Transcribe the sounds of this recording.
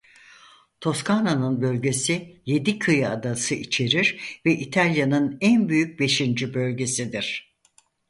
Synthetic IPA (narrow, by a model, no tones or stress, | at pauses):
t̪ʰo̞skʰananɯnbø̞lʲɟe̞sije̞d̪ikʰɯjad̪asɯʔit͡ʃʰe̞ɾiɾvɛʔit̪ʰalʲjanɯnænbyjyc̚be̞ʃind͡ʒibø̞lʲɟe̞sid̪iɾ̥